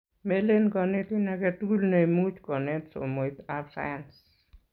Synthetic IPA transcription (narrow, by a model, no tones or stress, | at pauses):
melenkɔnetinaketulneimut͡ʃkɔnetso̰moitaɾsa̰jans